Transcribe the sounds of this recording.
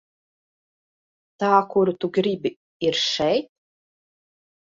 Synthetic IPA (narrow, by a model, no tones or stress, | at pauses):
t̪aːkuɾut̪uɡɾibi | iɾʃɛjt̪̚